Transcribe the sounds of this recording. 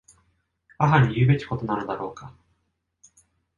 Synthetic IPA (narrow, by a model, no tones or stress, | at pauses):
aɦaɲ̟ijɯ̟ːbe̞kʲi̥ko̞t̪o̞nanɯ̟d̪aɾo̞ːka